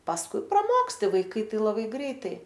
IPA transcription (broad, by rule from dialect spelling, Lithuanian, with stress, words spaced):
pɐsˈkʊɪ prɐˈmoːksʲtʲɪ ʋɐɪˈkɐɪ ˈtɐɪ lˠɐˈbɐɪ ˈɡrʲɛɪtɐɪ